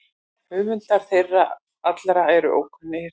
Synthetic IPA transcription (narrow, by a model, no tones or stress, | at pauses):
hʏːmʏnt̪aɾ̥θejrːa | at̪lɾaɛɾʏ̰ʔo̰wkʏnːɪ